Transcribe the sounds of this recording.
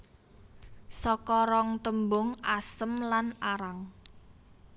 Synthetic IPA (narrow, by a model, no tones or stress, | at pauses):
sɔkɔɾɔŋt̪əmbʊŋasəmlanaɾaŋ